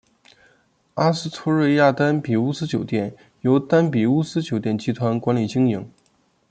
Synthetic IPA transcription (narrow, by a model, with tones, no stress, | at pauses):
a˥sɹ̩˥t̪ʰɔ˥ɻə˥˧ɪja˥˩t̪a˥npi˨˩u˥sɹ̩˥t͡ɕjo˨˩ʊt̪jɛ˥˩n | jo˧˥ʊt̪a˥npi˨˩u˥sɹ̩˥t͡ɕjo˨˩ʊt̪jɛ˥˩nt͡ɕi˥t̪ʰwa˧˥nkwa˧˥nli˨˩t͡ɕi˥ŋji˧˥˦ŋ